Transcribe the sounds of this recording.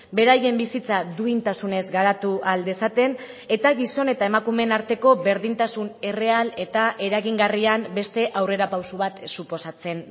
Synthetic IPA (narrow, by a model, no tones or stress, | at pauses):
be̞ɾaje̞mbisit͡sad̪uint̪asune̞zɣaɾat̪uʔald̪esat̪e̞n | e̞t̪aɣiso̞ne̞t̪ae̞makume̞naɾt̪e̞ko̞βe̞ɾðint̪asune̞re̞ale̞t̪aʔe̞ɾaɣiŋɡariambe̞st̪e̞ʔawre̞ɾapawsuβat̪supo̞sat͡se̞n